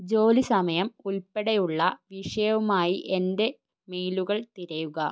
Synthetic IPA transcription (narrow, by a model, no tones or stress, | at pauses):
d͡ʑo̞ːlisɐmɐjɐmulpeɽejuɭːɐʋiʂɐjɐʋumaːjiʔende̞ | meːluɣɐɭt̪iɾɐjuɣɐ